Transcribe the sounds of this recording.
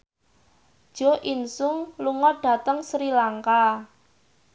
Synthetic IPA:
d̥ʒ̥o̤ʔinsʊŋluŋɔɖ̥ä̤t̪əŋsɾilaŋka

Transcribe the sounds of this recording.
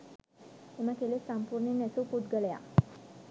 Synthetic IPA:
emakelesampuɾɳenɛsupud̪ɡəleja̰

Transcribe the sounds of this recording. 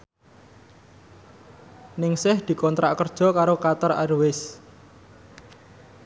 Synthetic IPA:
nɪŋsɪhd̪̥i̤kɔnt̪ɾaʔkərd̥ʒ̥ɔ̤kaɾokat̪əra̰ɾwɪs

